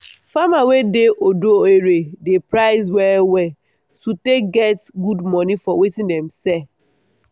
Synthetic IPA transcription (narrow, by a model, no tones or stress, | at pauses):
famawedeʔodoeɾedepɾaɪzwɛwɛ | tutek̚ɡɛtɡudmɔnifɔwetĩndɛmsɛ